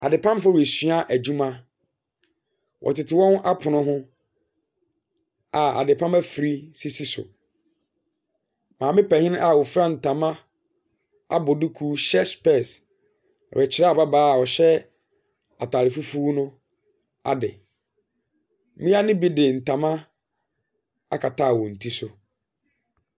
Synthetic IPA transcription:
a˨dɪ˨pʰã˦m˦fɔ˦we˨sɥa˦ʔæ˨d͡ʑu˦mã˦ | wʔɔ̰˨tɪ˨tʰɪ˨wɔ̃˦na˦pʰʊ˨nʊ̃˦ɦʊ̃˦ | a˨a̰˨dɪ˨pʰã˦mæ˦fi˨ɾi˦si˦si˦sʊ̰˨ | mã˨mɪ̃˦pɛ˨hɪ̃˦n˦a˨wɔ˨fɾa˦n̩˨tʰã˨mã˦ | a̰˦bɔ˨du˦kʰuː˦ɕɛ˦spɛ˦˨s | ɔ̰˨ɛ˨t͡ɕʰɪ˦ɾɛ˦a˨ba˦baː˦˨ɔ˨ɕɛ˦ | a˨tʰaː˨lɪ˨fu˦fu˦nʊ̃˦ | a̰˨dɪ̰˨ | mĩ˦a˦nɪ̃˦bi˦dɪ˨n̩˨tʰã˨mã˦ | a̰˦kʰa˨tʰaː˦˨wɔ˨n̩˨tʰi˦sʊ˨

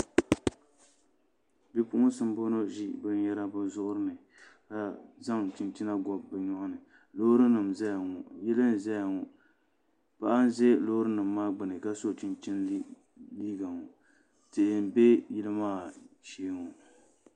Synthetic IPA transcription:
bi˦pʊ˦ʔʊ˦sɨ˦m˦bo˦no˦ʒi˦bɨ˦n˦jɛ˦ɾa˦bɨ˦zʊ˦ʔʊ˦ɾɨ˦nɨ˨ | ka˨za˦ŋtɪ˨nt͡ʃi˦na˦ɡɔ˨bːɨ˨ɲɔ˦ʔʊ˦nɨ˨ | lo˦hɾɨ˦nɨ˨mzɛ˦ja˨ŋɔ˨jɛ˦lɨ˦n˨zɛ˦ja˨ŋɔ˨ | pa˦ʔa˦n˦ze˦lo˦ʊ˦ɾɨ˦nɨ˨mːaː˦ɡ͡bɨ˨nɨ˨ka˦so˦˨ti˨nt͡ʃi˦n˦ | liː˦ɡa˨ŋɔ˨ | tɪ˨ʔɪ˨m˨be˦jɪ˦lɨ˦maː˦˨ʃeː˦ŋɔ˨

